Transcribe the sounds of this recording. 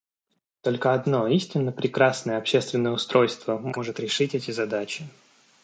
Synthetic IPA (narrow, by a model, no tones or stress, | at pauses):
t̪o̞lʲkəɐd̪no̞isʲtʲɪnːəpɾʲɪkɾasnəjəɐpɕːest̪vʲɪnːəjəʊst̪ɾo̞jst̪vəmo̞ʐɨt̪ɾʲɪʂɨtʲɛtʲɪzɐd̪at͡ɕɪ